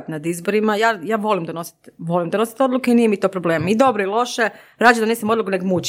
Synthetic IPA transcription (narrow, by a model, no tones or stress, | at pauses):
t̪nad̪izboɾimajaːjaːʋo̞limd̪ano̞si̥t̪ʋo̞limd̪ano̞si̥t̪o̞d̪lukeinijemit̪oːpɾobleːmid̪o̞bɾoilˠo̞ʃe | ɾaːd͡ʒemd̪anesnimo̞d̪lˠukuneɡmut͡ɕ